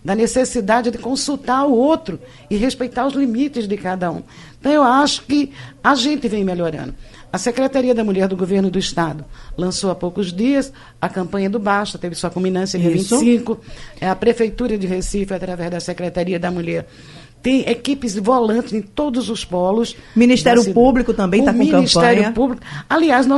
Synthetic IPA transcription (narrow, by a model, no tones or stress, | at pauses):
d̪ɐnesesid̪ad͡ʒɪd̪ɪkõsut̪aɾʊowt̪ɾʊ | ɪɦespejt̪aɾʊzlimit͡ʃɪzd̪ɪkad̪ɐṵ̃ | ẽt̪ɐ̃w̃ewaʃʊ̥kɪaʒẽnt̪ɪvẽj̃meʎoɾɐ̰̃nd̪ʊ | ɐsekɾet̪aɾiɐd̪ɐmuʎɛɾd̪ʊɡoveɾnʊd̪ʊɪʃt̪ad̪ʊlɐ̃soɐpowkʊzd̪iɐs | ɐkɐ̃mpɐ̃ɲɐd̪ʊbaʃɐt̪evɪsuɐkõmĩnɐ̃sjɐd͡ʒiɐvĩt͡ʃɪsĩkʊɛɐpɾefejt̪uɾɐd͡ʒ̪ɪɦesifjʊat̪ɾavɛzd̪ɐsekɾet̪aɾiɐd̪ɐmuʎɛɾ | t̪ẽj̃ʔekipɪzvolɐ̃nt̪ɪzẽj̃t̪od̪ʊzʊspɔlʊsmĩnist̪ɛɾjʊpublikʊt̪ɐ̃mbẽt̪amõĩkɐ̃isɐ̃ɛɾjʊpublikʊaliaznɔ